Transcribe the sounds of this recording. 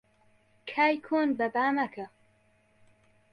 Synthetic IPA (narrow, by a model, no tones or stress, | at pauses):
kʰaːjkʰoːnbɐbaːmɐkʰɐ